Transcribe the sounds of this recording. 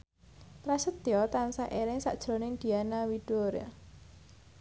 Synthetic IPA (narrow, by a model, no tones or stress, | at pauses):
pɾasət̪jɔt̪ansaʔeɾɪŋsa̰ʔd̥ʒ̥ɾɔ̤nɪŋd̪̥i̤anawiɖ̥oɾa̰